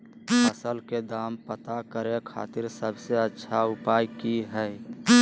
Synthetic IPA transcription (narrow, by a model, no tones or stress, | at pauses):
əsəlked̪aːmpət̪akəɾekʰa̰ːt̪ɪɾsəbseətːʃʰaʊpaːjkiɦɛ